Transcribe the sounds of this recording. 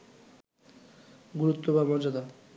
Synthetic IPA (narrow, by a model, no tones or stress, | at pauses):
ɡuɾut̪ːobamɔd͡ʑad̪a